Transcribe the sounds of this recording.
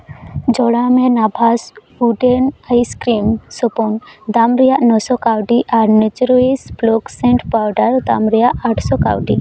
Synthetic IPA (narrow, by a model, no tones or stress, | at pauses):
d͡ʒɔɽamɛnabʱas | uɖenajskɾimsɔpɔnd̪amɾɛjaʔnɔsɔkawɖiʔaɾnet͡ʃɾɔisblɔksɛ̃ɳʈpawɖaɾd̪amɾɛjaʔaʈʰsɔka̰wɖi